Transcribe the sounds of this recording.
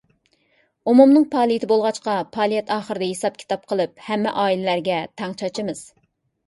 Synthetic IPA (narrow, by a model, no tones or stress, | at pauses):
umumnɨŋpʰɑːlˠijit̪ʰɪbolˠʁɑt͡ʃqɑpʰɑːlˠijɛt̪ɑːχəɾɨd̪ɛɦesɑp̚kʲʰi̥t̪ɑp̚qʰəlˠɨp̚hɛmːɛ̰ʔɑːilɪlæɾɡʲɛt̪ʰæŋt͡ʃʰɑt͡ʃʰmɨz̥